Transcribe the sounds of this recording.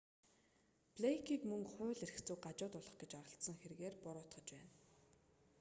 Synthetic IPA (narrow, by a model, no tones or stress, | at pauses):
pɮekʰiːkmɵŋχʊːɮerɘ̆xt͡sŭːk̚ɢat͡ɕʊːt̪ʊɮə̆χɡet͡ɕaɾə̆ɬt̪sə̆ŋxeɾ̆ɣeːrpʊɾʊːt̪χə̆t͡ɕpæːn